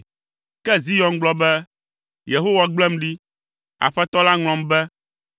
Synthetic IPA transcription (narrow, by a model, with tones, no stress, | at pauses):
kɛ˦zi˦jɔ˨nɡ͡blɔ˦bɛ˦ | je˨ɦo˦wa˨ɡ͡blɛ˦mɖi˦ | a̰˨ɸɛ˦t̪ɔ˦la˦ŋl̃ɔ̃˨mbɛ˦